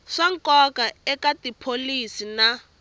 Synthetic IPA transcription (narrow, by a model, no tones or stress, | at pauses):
ʂaŋ̩kɔkaɛkatipʰolisina